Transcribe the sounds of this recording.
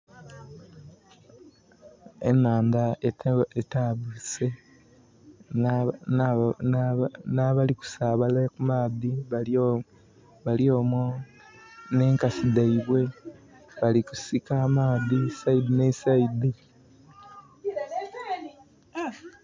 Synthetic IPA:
ḛmaːndaetaβuse̞ | nnaβaliku̥saːβalakumaːðiβa | βaljo̞ːmo | ne̞ːŋkasidaiβwe̞ | βaliku̥sikaːmaːðisaidinesaidi

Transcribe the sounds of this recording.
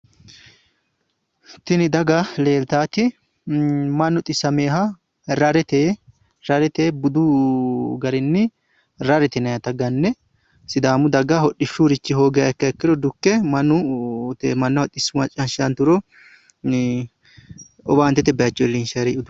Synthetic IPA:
t̪ɪnɪd̪ɐɡɐle̞ːlt̪aːt̪ɪ | mɐnːʊt̪ʼɪsːɐmeːɦɐ | ɾɐɾɛt̪e | ɾɐɾɛt̪ebʊd̪ʊ | ɡɐɾɪnːɪ | ɾɐɾɛt̪ɛnɐjɐt̪ɐɡɐnːɛ | sɪd̪aːmʊd̪ɐɡɐhɔɗɪʃuɾɪt͡ʃːɪɦo̞ːɡɛjɐɛkːɐɛkːɪd̪ɔd̪ʊkːɛmɐnːʊt̪mɐnːɐwɐt̪ʼɪsːʊmɐt͡ʃʼɐnʃɐnt̪ʊɾɔ | ɔbaːnt̪ːɛt̪ɛbɛjɐt͡ʃːɔɛlːinʃɐɾɛʔʊd̪ʊ

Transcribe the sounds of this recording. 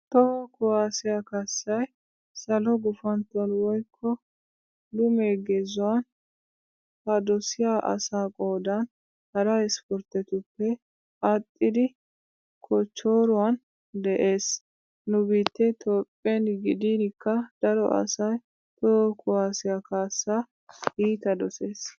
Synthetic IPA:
t̪ɔhɔkʊwaːsɪjakɐsːɐj | sɐlɔɡʊfɐnt̪ːɔnwɔjkʰːɔ | lʊmeːɡezʊwan | hɐd̪ɔsɪjaːʔɐ̰saːkʼo̞ːd̪ɐn | hɐɾɐɪspɔɾt̪ɛt̪ʊpːɛ | ɐt̪ʼːɪd̪ɪ | kʰɔt͡ʃːo̞ːɾʊwan | d̪ɛʔe̞ːs | nʊbiːt̪ːɛt̪ʰɔpʼːenɡɪd̪iːnɪkːɐd̪ɐɾɔ̰ʔɐ̰sɐj | t̪ɔkʊwaːsɪjakaːsːaː | iːt̪ɐd̪ɔse̞ːs

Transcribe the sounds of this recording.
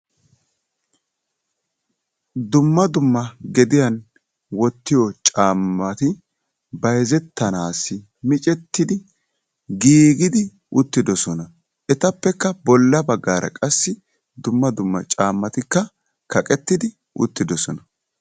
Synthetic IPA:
d̪ʊmːɐd̪ʊmːɐɡɛd̪ɪjɐn | wɔt̪ːɪjɔt͡ʃʼaːmːɐt̪ɪ | bɐjzɛt̪ːɐnaːsːɪ | mɪt͡ʃʼɛt̪ːɪd̪ɪ | ɡiːɡɪd̪ɪ | ʊt̪ːɪd̪ɔsɔnɐ | ʔɛt̪ɐpːɛkːɐbɔlːɐbɐɡːaːɾʔɐ̰kʼɐsːɪ | d̪ʊmːɐd̪ʊmːɐ̰t͡ʃʼaːmːɐt̪ɪkːɐ | kɐkʼɛt̪ːɪd̪ɪ | ʔʊ̰t̪ːɪd̪ɔsɔnɐ

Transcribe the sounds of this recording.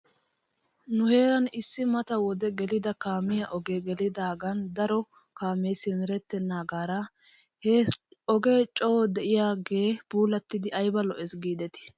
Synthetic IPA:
nʊhe̞ːɾɐnɪsːɪmɐt̪ɐwɔd̪ɛɡɛlɪd̪ɐkaːmɪjɐʔɔɡeːɡɛlɪd̪aːɡɐnd̪ɐɾɔ | kaːmeːsɪmɪɾɛt̪ːɛnːaːɡaːɾɐ | heɔɡe̞ːt͡ʃʼɔwɔd̪ɛʔɪjaːɡe̞ːb̥uːlɐt̪ːɪd̪ɪʔɐjbɐlɔʔɛsɡiːd̪ɛt̪ɪ̥

